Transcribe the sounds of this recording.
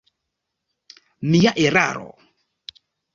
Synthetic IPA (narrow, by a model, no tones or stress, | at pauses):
mijaʔeɾa̰ɾɔ̰